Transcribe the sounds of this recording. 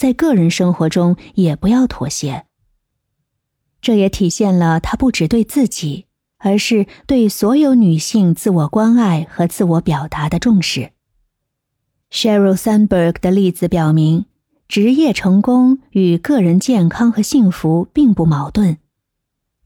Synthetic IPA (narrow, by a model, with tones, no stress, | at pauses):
t͡sa˥˧ɪkɤ˥˩ɻə˧˥nʂɤ˥ŋxwɔ˧˥ʈ͡ʂʊ˥ŋjɛ˨˩pu˧˥jɑ˥˩ʊt̪ʰwɔ̰˧˥ɕjɛ˧˥ | ʈ͡ʂɤ˥˩jɛ˧˥t̪ʰi˨˩ɕjɛ˥˩nlə˩t̪ʰa˥pu˥˩ʈ͡ʂɻ̩˨˩t̪we˥˧ɪt͡sɹ̩˥˩t͡ɕi˨˩˦ | ə˞˧˥ʂɻ̩˥˧t̪we˥˩ɪswɔ˧˥jo˧˥ʊny˨˩ɕi˥˧ŋt͡sɹ̩˥˩wɔ˨˩kwa˥na˥˩ɪxɤ˧˥t͡sɹ̩˥˩wɔ˧˥pjɑ˨˩ʊt̪a˧˥d̪ə˧ʈ͡ʂʊ˥˧ŋʂɻ̩˥˩ | ʂɛ˥ɹo˥˩ʊsa˥nbə˥˩ɡd̪ə˩li˥˩t͡sɹ̩˧˩pjɑ˨˩ʊmi˧˥ŋ | ʈ͡ʂɻ̩˧˥jɛ˥˩ʈ͡ʂʰɤ˧˥ŋkʊ˥ŋy˨˩kɤ˥˩ɻə˧˥nt͡ɕjɛ˥˩nkʰɑ˥ŋxɤ˧˥ɕi˥˩ŋfu˧˥pi˥˧ŋpu˥˩mɑ˧˥ʊt̪wə˥˩n